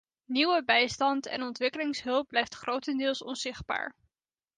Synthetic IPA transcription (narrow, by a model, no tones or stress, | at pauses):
niwəbɛjstɑntɛ̰nɔntʋɪkəlɪŋsɦɵlˠp̚blɛjftχrʔowtəndɪːlˠsɔ̰nzɪχd̚ba̰ːɹ